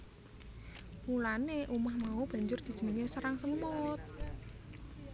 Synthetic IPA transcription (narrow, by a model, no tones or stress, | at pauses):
mulaneʔumahmaub̥ä̤ɲd͡ʒʊrd̪̥i̤̥ʒ̥ə̤nəŋesəɾaŋsəmɔt̪̚